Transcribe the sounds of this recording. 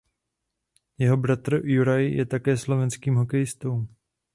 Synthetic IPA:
jɛɦo̞bɾat̪ɾ̩juɾajjɛt̪akɛːslo̞vɛnskiːmɦo̞kɛjɪst̪owm

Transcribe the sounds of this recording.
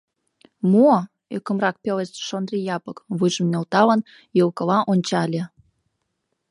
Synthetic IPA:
mo | økə̆mrɑk̚pelet͡sʃond̪rijɑpəkβujʒə̆mnelt̪ɑlə̆n | jəlkə̆lɑʔonʲt͡ɕɑlʲe

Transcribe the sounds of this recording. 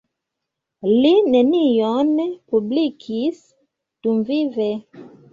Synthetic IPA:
linɛnijɔnɛpublikʰis | tuɱvivɛ

